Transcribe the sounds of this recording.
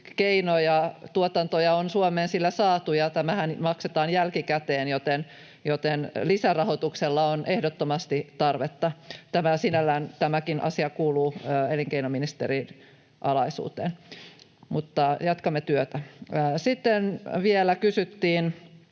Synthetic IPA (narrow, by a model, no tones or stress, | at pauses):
keinojɑt̪uot̪ɑnt̪ojɑonsuomeːnsilːæsɑːt̪ujɑt̪æmæhænmɑkset̪ɑːnjælkikæt̪eːnjot̪en | jot̪enlisærɑhot̪ukselːɑonʔehdot̪ːomɑst̪it̪ɑrʋet̪ːɑt̪æmæsinælːæːnt̪æmækinʔɑ̰siɑkuːluːeliŋkeinominist̪ḛɾin | ʔɑlɑisṵːt̪ḛːn | mut̪ːɑjɑt̪kɑmːet̪yøt̪æːsit̪ːenʋielækysyt̪ːiːn